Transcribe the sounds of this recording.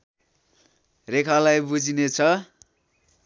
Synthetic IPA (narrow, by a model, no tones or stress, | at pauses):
rekʰalajbud͡zinet͡sʰʌ